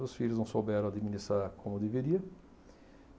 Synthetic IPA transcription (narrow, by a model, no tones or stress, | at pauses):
ʊsfiʎʊznɐ̃w̃sobɛɾɐ̃ad̪iminist̪ɾaɾkʰõmʊd̪eveɾiɐ